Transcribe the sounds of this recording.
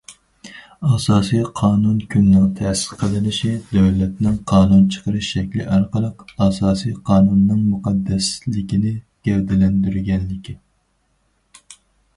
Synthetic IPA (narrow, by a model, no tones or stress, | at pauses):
ɑsɑːsijqʰɑːnunkʲʰynːɪŋt̪ʰɛːsɪ̥qʰəlˠɨnɪʃid̪øwlɛt̪nɪŋqʰɑːnunt͡ʃʰə̥qʰəɾɨʃʃɛkʲlɪʔɑɾqəlˠəqɑsɑːsijqʰɑːnunːɨŋmuqʰɑd̪ːɛslɪkʲinɪ | ɡ̥ʲɛɾd̪ɪlɛnd̪yɾɡʲɛnlɪkʲi